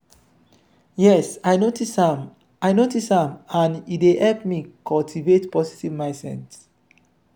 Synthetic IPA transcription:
jɛsajnotisãm | ajnotishãmãnitehɛlpmikʰɔltʰivetpɔsitivmaɪsɛ̰̃ns

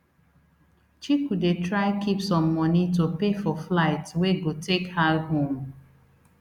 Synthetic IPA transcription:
t͡ʃikudetɹaɪkʰipsɔ̃mːɔnitopefɔflaɪtweɡotekhaɦõm

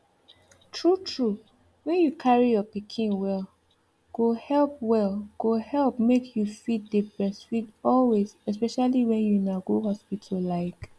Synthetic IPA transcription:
tʰɹutʰɹu | wɛ̃njukʰaɹijɔpikʰĩnwɛl | ɡ̥ohɛlp̚wɛlɡ̥ohɛlˠpmekʰjufit̚dəbɹɛsfidɔlwezɛs̬pɛʃaliwɛ̃njunaɡoɦɔspitʰɔlaɪk

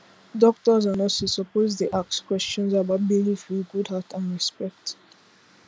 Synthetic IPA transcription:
dɔk̚tɔzãnɔsosɔpozdeʔak̚skwɛst͡ʃɔ̃nzabaʊt̚bilifɹiɡudɦatãnɹispɛk̚t

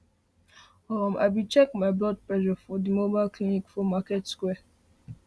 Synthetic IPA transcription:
ɔɾɔ̃mʔa̰ɪbit͡ʃɛkmaɪblɔd̚plɛʒɔfɔdimobalklinikfɔmaketskwɛ

